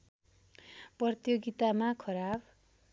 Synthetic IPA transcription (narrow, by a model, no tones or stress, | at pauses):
prʌrt̪joɡit̪amakʰʌɾab